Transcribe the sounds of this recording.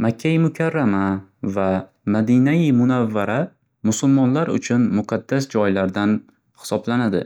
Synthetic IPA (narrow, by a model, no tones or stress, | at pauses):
makʲʰːajmʊkʲʰaɾːamava | mad̪inajɪmʊnavːaɾa | mʊsʊlmɒnlaɾʊ̰t͡ʃʰʊnmʊqʰɑd̪ːasd͡ʒɒjlaɾd̪an | hɪ̥sɒblanad̪ɪ̰